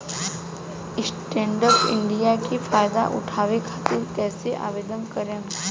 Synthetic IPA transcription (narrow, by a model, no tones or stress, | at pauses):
ɪsʈẽɳɖəɾpɪ̰ɳɖijakifajd̪a̰ʔṵʈʰaːʋekʰat̪iɾk̪ɛːseʔa̰ʋed̪ənkəɾə̃n